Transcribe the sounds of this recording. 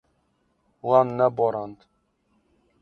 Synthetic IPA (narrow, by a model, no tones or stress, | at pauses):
wɑnːɛbɔɾɑnd̪